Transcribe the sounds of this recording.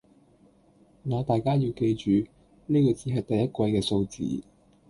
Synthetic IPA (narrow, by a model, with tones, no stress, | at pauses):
ŋaː˨˧t̪aː˨jkaː˥jiː˧wke˧jt͡ʃyː˨ | niː˥kɔː˧t͡siː˨˧ɦɐ˨jt̪ɐ˨jɐ˥t̚kʷwɐ˧jkɛː˧so˧wt͡sḭː˨˧